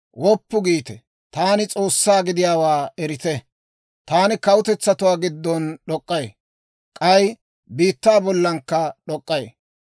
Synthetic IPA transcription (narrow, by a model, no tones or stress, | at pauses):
wɔpːʊɡiːt̪ɛ | t̪aːnɪt͡sʼo̞ːsːaːɡɪd̪ɪjaːwaːɛɾɪt̪ɛ | t̪aːnɪkɐwʊt̪ɛt͡sːɐt̪ʊwaːɡɪd̪ːɔnɗɔkʼːɐje | kʼɐj | biːt̪ːaːbɔlːɐŋkːɐɗɔkʼːɐje